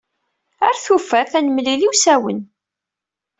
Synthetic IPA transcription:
æɾθufːæθænəmliliwsæwə̰n

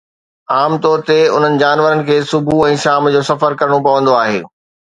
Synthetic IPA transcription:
aːmt̪ɔːɾt̪eʊ̰n̤ənɪ̆d͡ʑaːnʋəɾənɪ̆kʰeːsʊbʱuɛ̃ːʃaːmd͡ʑoːsɐfəɾkɐɾəɽ̃opɐʋə̃nd̪oaːɦḛː

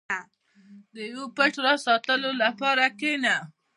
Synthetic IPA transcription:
a | d̪əjwopəʈɾɑsɑt̪əlolapɑɾakena

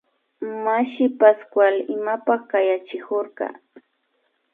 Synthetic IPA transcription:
maʃɪpaskwalɪmapakajat͡ʃɪkoɾɢɑ̰

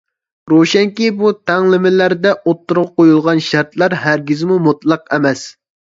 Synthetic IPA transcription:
ɾoʃɛŋkʲibut̪ʰɛŋlɪmɪlæɾd̪ɛʔot̪ʰːuɾʁɑqojulˠʁɑnʃæɾt̪ʰlæɾɦæɾɡʲizmumut̪lˠɑqɛmɛs

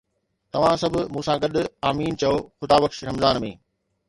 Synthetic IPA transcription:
t̪ɐʋ̤ãsɐbʱʊmũːsãɡɐɗʊ̆aːmiːnt͡ɕɐjoːxʊd̪aːbɐkʃɾɐmzaːnmḛ̃ː

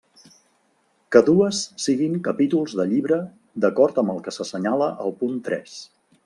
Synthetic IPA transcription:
kəðuəsːiɣiŋkəpit̪ulˠzðəʎiβɾə | d̪əkɔɾt̪əmbəlˠkəsəsəɲaləʔəlˠpunt̪ɾɛ̰s

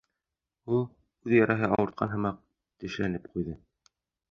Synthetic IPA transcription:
ulˠ | ʉðjæɾʔæɦɘɑwɤ̆ɾt̪̚qʰɑnɦɤ̆mɑq̚ | t̪ɘ̆ʃlænɘp̚qujðɤ

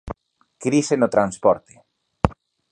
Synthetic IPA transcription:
kɾisenot̪ɾanspɔɾt̪e̥

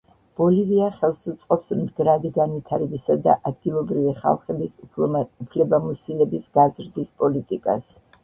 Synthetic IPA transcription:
b̥ɔliviaχɛlˠsut̪sʼqʼɔpsmd̪ɡɾad̪iɡanvit̪ʰaɾɛbisad̪a̰ʔad̪ɡilˠɔbɾiviχa̰lˠχɛbisupʰlɛbamɔsilɛbisɡ̥azɾd̪ispʼɔlit̪ʼikʼa̰s

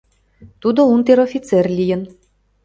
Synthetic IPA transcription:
t̪ud̪ount̪eɾɔfʲit̪sɛrʲlʲijɘ̆n

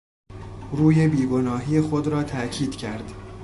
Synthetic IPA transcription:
ɾuːjebiːɡo̞nɒːɦiːjexo̞d̪ɾɒːt̪ʰæʔcʰiːd̪̥cʰæɾd̪

